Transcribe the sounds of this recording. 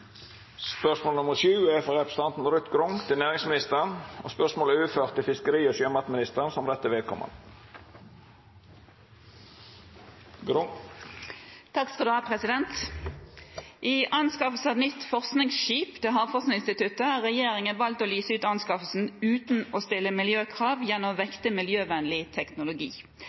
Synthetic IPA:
spœʂmoːlənʊməʂʉːæfɔʁɛpɾəsəɑnt̪n̩ɾʉt̪ɡɾʊŋt̪ʰɪlnæːɾɪŋsmɪnɪst̪əʁəno̰spœʁʂmoːlʉːføːʁt̪ʰːɪlfɪskəɾiːoːsœmɑt̪mɪnɪst̪əʁnsɔmɾɛt̪ːəʋeːd̪̚kʰɔ̰mə̰n | ɡɾʊ | t̪ʰɑkskɑd̪ʉhɑpʰɾɛsɪd̪ɛnt̪ | ʔɪʔɑnskɑfəlsɑt̪nʏt̪ːfɔʁsknɪŋsʃiːpd̪̥eːɦɑʁfɔʁsnɪŋɪnst̪ɪt̪ʉt̪əʁɛjeːʁɪŋənʋɑlt̪oːlyːsəʉːt̪ɑnskɑfəlsn̩ʉːt̪n̩oːst̪ɪlːəmɪljøːkʰʁɑːʋjɛnːɔmʋɛkt̪əmɪljøːʋɛnlɪt̪ʰɛknʊlʊɡḭː

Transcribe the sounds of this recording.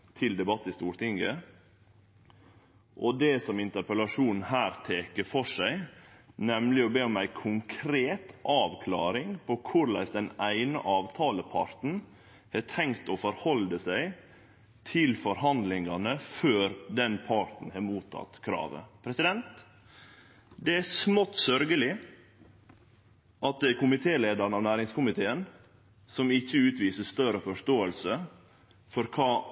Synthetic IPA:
t̪ʰɪld̪ɛbɑt̪ːɪst̪uːɾt̪ɪŋɡə | ʔɔd̪ɛsɔmɪnt̪əɾpəlɑʂuːnn̩hæːɾt̪ʰeːkəfɔʂæɪnɛmlɪɔbeːɔmæɪkʰʊŋkʰɾeːt̪ʔɑːʋkʰlɑːɾɪŋpʰɔkʰʊɾlæ̰ɪsd̪ɛnæɪnə̰ʔɑːʋt̪ʰɑːləpʰɑ̰ɾt̪n̩ | hɛʈʰɛŋkt̪ɔfɔɾhɔld̪əsæɪ | t̪ʰɪlfɔɾɦɑnd̪lɪŋɑnəføːɾd̪ɛnpʰɑɾt̪n̩hɑːɾmuːt̪ʰɑ̰t̪kʰɾɑ̰ːʋə̰pʰɾɛsɪd̪ɛnt̪ | d̪ɛæsmɔt̪ːsœɾɡəlɪ | ʔɑt̪̚d̪ɛæɾkʊmɪt̪ʰeːleːd̪ɑɾɳ̩ɑʋnæːɾɪŋskʊmɪt̪ʰeːən | sɔmɪçːəʉːt̪ʋiːsəst̪œɾəfɔʂt̪oːəlsə | fɔɾkʰɑː

